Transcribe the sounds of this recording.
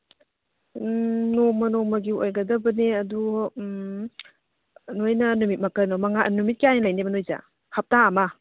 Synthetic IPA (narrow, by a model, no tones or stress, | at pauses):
nomɐnomɐɡiojɡɐdɐbɐneɐdu | nojnɐnumit̚mɐkɐnomɐŋanumit̚kijanilajnebɐnojza̰ | hɐp̚taːmɐ